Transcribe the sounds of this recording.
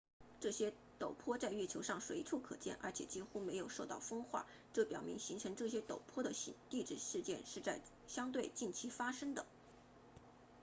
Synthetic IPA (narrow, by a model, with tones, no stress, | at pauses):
ʈ͡ʂɤ˥˩ɕjɛ˥ | t̪o˨˩ʊpʰwɔ˥t͡sa˥˧ɪɥɛ˥˩t͡ɕʰjo˧˥ʊʂɑ˥˩ŋʂwe˧˥ɪʈ͡ʂʰu˥˩kʰɤ̰˨˩t͡ɕjɛ̰˥˩nʔə̰˞˧˥t͡ɕʰjɛ̰˨˩t͡ɕi˥xu˥me˧˥ɪjo˨˩ʊʂo˥˧t̪ɑ˥˩ʊfɤ˥ŋxwa̰˥˩ | ʈ͡ʂɤ˥˩pjɑ˨˩ʊmi˧˥ŋɕi˧˥ŋʈ͡ʂʰɤ˧˥ŋʈ͡ʂɤ˥˩ɕ̬jɛ˥t̪o˨˩ʊpʰwɔ˥d̪ə˨˧˥t̪i˥˧ʈ͡ʂɻ̩˥˩ʂɻ̩˥˧t͡ɕjɛ˥˧nʂɻ̩˥˧t͡sa˥˩ɪ | ɕjɑ˥ŋt̪we˥˧ɪt͡ɕi˥˩nt͡ɕʰi˧˥fa˥ʂɤ˥ŋd̪ə˨